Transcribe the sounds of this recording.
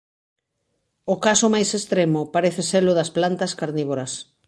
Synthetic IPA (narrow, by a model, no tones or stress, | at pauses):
ʊkasʊmajsest̪ɾemʊpaɾeθeselʊðɐsplant̪ɐskaɾniβoɾɐs